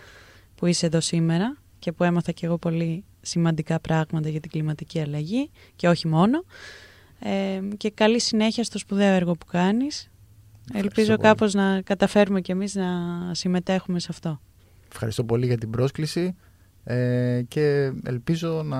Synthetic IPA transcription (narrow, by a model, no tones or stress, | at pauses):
puise̞ðo̞sime̞ɾɐ | ce̞pue̞mɐθɐce̞ɣo̞po̞li | simɐnd̪ikɐpɾɐɣmɐt̪ɐʝɐt̪iɡlimɐt̪iciɐlɐʝice̞o̞çimo̞no̞ | ece̞kɐlisine̞çiɐst̪o̞spuðe̞oeɾɣo̞pu̥kɐnis | elpizo̞kɐpo̞znɐkɐt̪ɐfe̞ɾume̞cemiznɐsime̞t̪e̞xume̞sɐft̪o̞ | efxɐ̰ɾist̪o̞po̞liʝɐt̪ibɾo̞sklisi | ece̞ḛlpizo̞nɐ